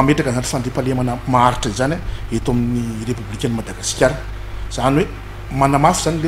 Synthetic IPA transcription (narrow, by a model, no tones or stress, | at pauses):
ameʈ͡ʂakəzani̥fanɖ͡ʐ̪epalemanamaaɾiʈ͡ʂəizanaet̪aminirepublikʲanimad̪aɡasi̥kʲjaɾan | z̥aniwe | manamafuzanile